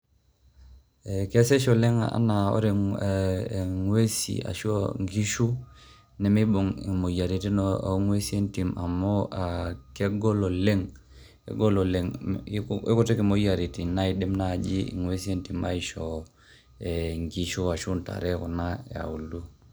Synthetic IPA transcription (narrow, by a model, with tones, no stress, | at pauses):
e˨ke˦se˦ʃo˨le˦ŋaa̰˦na˨o̰˦ɾe˨ | ŋwe˦sḭ˨a̰˨ʃoŋɡi˦ʃu˦ | ne˦mi˦bo˨ŋ˨mo˨ja˨ɾi˨ti˦noa̰˨˦ŋwe˦si˦e˦nti˨ma˨mo˦a˨ke˦ɡo˦lo˨le˦ŋ | ḛ˨ɡo˦lo˨le˨ŋ | i˦ko˨te˦ki˨mo˨˦ja˨ɾi˨ti˨na˦i˨de˦mna˦˨d͡ʒi˦ḭ˨ŋwe˦si˦e˦nti˨ma̰˦i˨ʃo˨ | e˨ŋɡi˨ʃu˦a˨ʃu˦nta̰˨ɾɛ˦kɔ˨na˦e˨a̰˨u˨lːu˦